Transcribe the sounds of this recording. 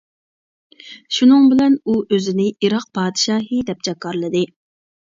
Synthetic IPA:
ʃunɨŋbɪlɛnuʔøzɪnɪʔiɾɑq̚pʰɑːd̪ɨʃɑːɦɨd̪ɛp̚t͡ʃʰɛkːɑɾlˠɨd̪ɨ

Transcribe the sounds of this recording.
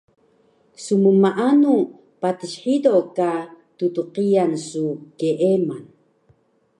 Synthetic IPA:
suməmaʔanu | patiɕħidoka | tutuqijansukeʔeman

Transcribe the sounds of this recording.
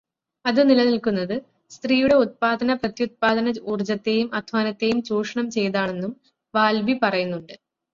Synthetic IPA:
ɐðɨnilɐnilkunːɐðɨ | st̪riːjuɽe̞ut̪̚paːd̪ɐnɐprɐt̪jut̪̚paːd̪ɐnɐuːrd͡ʑɐt̪ːe̞ːjumɐd̪ʱʋaːnɐt̪ːe̞jumt͡ɕuːʂɐɳɐmt͡ɕe̞jðaːɳe̞nːum | ʋaːlbipɐrɐjunːuɳɖɨ

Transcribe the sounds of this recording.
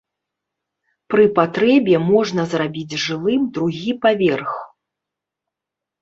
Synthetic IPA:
pɾɨpat̪ɾɛbʲjɛmɔʐnɐzrabʲid͡zʲʐɨlˠɨmd̪ɾuɣʲipavʲɛrx

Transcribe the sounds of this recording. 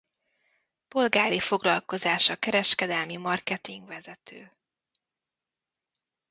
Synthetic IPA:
po̞lɡaːɾifo̞ɡlɒlko̞zaːʃɒkɛɾɛʃkɛd̪ɛlmimɒrkɛt̪iŋɡvɛzɛt̪ʰøː

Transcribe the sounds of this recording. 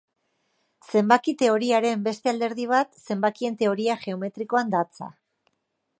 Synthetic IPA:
se̞mbakit̪e̞o̞ɾiaɾe̞mbe̞st̪e̞ald̪e̞ɾð̞iβ̞at̪se̞mbakie̞nt̪e̞o̞ɾiaʝe̞o̞me̞t̪ɾiko̞and̪at͡sa̰

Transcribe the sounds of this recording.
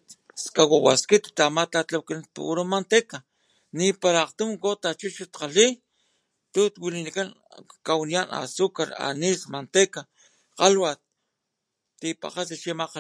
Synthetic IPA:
skawawaskit̪t̪amat̪at̪lawkanapṵuɾomant̪eka | nipaɾaːqt̪umkot̪at͡ʃut͡ʃut̪qali | t̪ut̪wilinikan | kawnijana̰sukaɾa̰nismant̪eka | qalwat̪̚ | t̪ipa̰qat̪aʃimaqa

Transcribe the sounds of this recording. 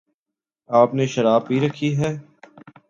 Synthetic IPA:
aːpneʃɐɾaːbɦiɾɐkʰiɦɛː

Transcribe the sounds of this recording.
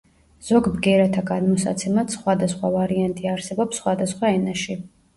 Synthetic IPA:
z̥ɔɡbɡɛɾat̪ʰaɡanmɔsa̰t̪sʰɛmat̪sχwad̪asχwavaɾiant̪ʼiaɾsɛbɔpsːχwad̪asχwaɛnaʃi

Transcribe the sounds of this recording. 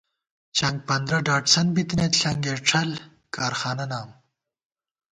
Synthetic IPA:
t͡ɕʰɐŋɡ̚pɐnd̪ɾɐɖaːʈsɐnbit̪net̪ɬɐŋɡeʈ͡ʂʰɐl | kaːɾxaːnɐnaːm

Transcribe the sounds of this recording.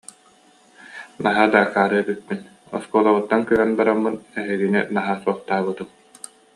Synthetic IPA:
naɦaːd̪akaːɾɯɛbik̚pːin | ɔ̰skuːlˠaβut̪ːankyɦɛnbaɾamːɯnɛɦɛɡinḭnaɦaːsuɔχt̪aːbɯt̪ɯm

